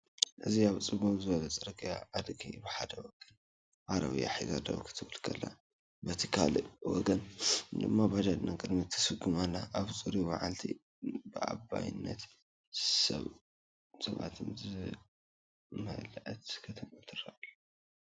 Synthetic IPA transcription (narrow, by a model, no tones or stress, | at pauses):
ʔɨziaβt͡sʼɨβumzɨβɐlɐt͡sʼɐɾɨkʼɨjaʔad̪ɡibɨħad̪ɐwɔɡɐn | ʔaɾɐ̰βɨja̰ħiɡad̪ɐ̰βkʰɨ̥t̪ʰɨβɨlkʰɐlːa̰ | bɐt̪ʰikʰaliwɔɡɐnd̪ɨmːabad͡ʒad̪nakʼɨd̪mit̪ʰːɐ̥sɨɡumalːaʔaβt͡sʼɨɾiba̰ʕalt̪ʰḭ | bɨʔa̰bːa̰jɪnːɐt̪ | sɐ̰β | sɐβa̰t̪ʰɨnzɨ | mɐ̰lʔɐt̪kʰɐt̪ʰɐmut̪ʰɨraʔlː